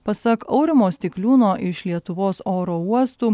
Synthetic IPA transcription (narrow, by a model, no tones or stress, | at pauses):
pɐsɐkɐʊɾʲɪmoːsʲt̪ʲɪklʲuːnoːʔɪʃlʲiɛt̪ʊʋoːsoːɾoːuɔst̪uː